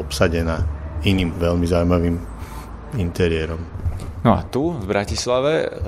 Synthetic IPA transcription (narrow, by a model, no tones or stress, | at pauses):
ɔpsaɟɛnaːiniːmʋɛlmizaʊumaʋiːm | int̪ɛɾɪɛɾɔmnɔa̰t̪uvbɾacislaʋɛ